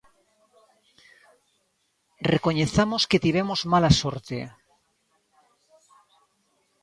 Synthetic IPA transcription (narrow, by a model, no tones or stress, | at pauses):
rekoɲeθamosket̪iβ̞emozmalasoɾt̪ḛ